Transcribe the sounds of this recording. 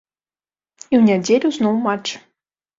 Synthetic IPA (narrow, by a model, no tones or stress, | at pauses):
iwnʲadʲelʲuznuwmat͡ʃ